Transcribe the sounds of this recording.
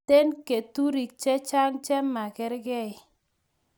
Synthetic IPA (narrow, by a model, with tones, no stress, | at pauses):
te˦nke˨tu˦ɾi˨k̚t͡ʃɛ˦t͡ʃa˦ŋt͡ʃɛ˦mːa˨kɛ˦ɾɡɛ˦ɪ˨